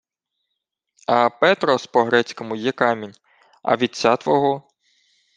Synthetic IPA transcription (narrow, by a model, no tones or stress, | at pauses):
ɐpɛt̪ɾɔspɔɦɾɛt͡sʲkɔmʊjɛkɑmʲinʲ | ɐ̰ʋʲid̪̚ʲt͡sʲat̪ʋɔɦɔ